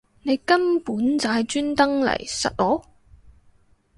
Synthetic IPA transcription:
ne˨˧jkɐ˥npuː˨˥nt͡saː˨˧jt͡ʃyː˥nt̪ɐ˥ŋlɐ̰˨˩jsɐ̰˨t̚lɔː˨˥w

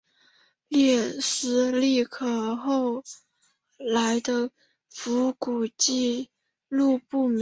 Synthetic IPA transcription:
ljɛ˥˩sɹ̩˧˥li˥˩kʰɤ˨˩xo˥˧ʊ | la˧˥ɪd̪ə˧ | fu˧˥ku˨˩t͡ɕi˥˧ | lu˥˧pu˥˩m˧

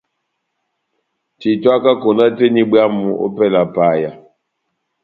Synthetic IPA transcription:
ti˨twa˦ka˦ko˨na˦te˦ni˦ɓja˦mu˨ʔo̰˦pɛ˦˨la˨pa˨ja˨

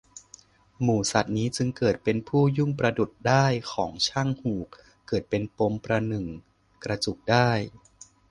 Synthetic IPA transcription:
muː˨˩sa˨˩t̪̚niː˦˥t͡ɕɯ˧ŋkɤː˨˩t̪̚pe˧npʰuː˥˩ju˥˩ŋpɾa˧du˨˩t̪̚daː˥˩jkʰɔː˩˦ŋt͡ɕʰa˥˩ŋhuː˨˩k̚ː | ɤː˨˩t̪̚pe˧npo˧mpɾa˧nɯ˨˩ŋ | kɾa˧t͡ɕu˨˩k̚daː˥˩j

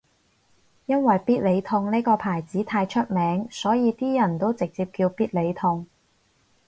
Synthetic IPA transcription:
jɐ˥nwɐ˨jpiː˥t̚le˨˧jt̪ʰʊ˧ŋniː˥jkɔː˧pʰaː˨˩jt͡siː˨˥t̪ʰaː˧jt͡ʃʰɵ˥t̚mɛː˨˥ŋsɔː˨˥jiː˨˧t̪iː˥jɐ˨˩nt̪o˥wt͡sɪ˨k̚t͡siː˧p̚kiː˧wpiː˥t̚le˨˧jt̪ʰʊ˧ŋ

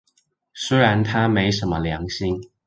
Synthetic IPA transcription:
swe˥ɪɻa˧˥nt̪ʰa˥me˧˥ɪʂə˧˥nmə˧ljɑ˧˥ŋɕi˥ŋ

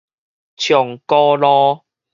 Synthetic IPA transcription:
t͡ɕʰjɔ˨˩ŋkɔ˦lɔ˦

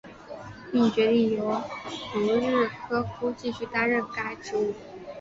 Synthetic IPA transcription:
pi˥˩ŋt͡ɕɥɛ˧˥li˥˩jo˧˥ʊt̪u˧˥ɻɻ̩˥˩kʰɤ˥kʰu˥t͡ɕi˥˧ɕy˥˩t̪a˥ɻə˥˩nka˥ɪʈ͡ʂʰu˧˥˩

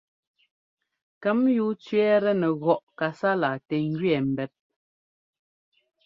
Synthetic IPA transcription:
kɛ˦mjuː˦t͡ʃɥɛ˦ɾɛ˦nɛ˨ɣɔ˨ʔka˨sa˦la˨tɛ˨ŋ̩˦ɡɥɛ˨m̩˨bɛ˨˦p̚

